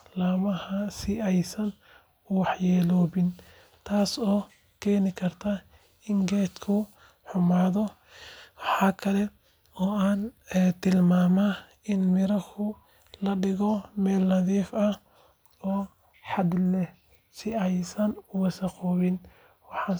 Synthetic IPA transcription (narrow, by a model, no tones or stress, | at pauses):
laːmɐhɐsɪɛjsɐn | ʊwɑħjɛːlɔːβɪn | t̪ʰaːsɔː | kʰɛːnɪkʰɐrt̪ʰa | ɪŋɡɛːt̪kʰʊ | ħʊmaːðɔ | wɑħɑːkʰɐlɛ | ɔːaːnt̪ʰɪlmaːma | ɪnmɪɾɐhʰʊ | lɐɖɪɣɔmɛːlːɐðiːfɐ | ɔː | ħɑd̪lɛ | sɪɛjsɐnʊwɐsɐqɔːβɪn | wɑħɑ